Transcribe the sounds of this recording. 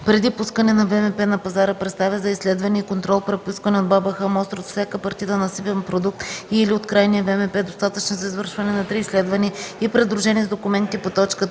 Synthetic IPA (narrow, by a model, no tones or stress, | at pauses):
pɾɛd̪ipuskənɛnɐvɛmɛpɛnɐpɐzaɾəpɾɛt̪st̪avʲəzɐislɛd̪vɐniɛikont̪ɾɔlˠpɾɛt̪̚puskvɐnɛod̪babəxəmɔst̪ɾot̪fsʲjakəpɐɾt̪it̪ənɐsipɛnpɾod̪uk̚t̪iliot̪kɾajniəvɛmɛpɛd̪ost̪at̪ət͡ʃnozɐizvəɾʃvɐnɛnɐt̪ɾiːslɛd̪vɐniəipɾɛd̪ɾʊʒɛnʲiɛzd̪okʊmɛnt̪ipot̪ɔt͡ʃkə